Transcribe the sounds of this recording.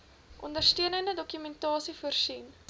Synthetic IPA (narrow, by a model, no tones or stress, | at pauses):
ʔɔ̰ndərstøənəndədɔkymɛntɑːsifuərsin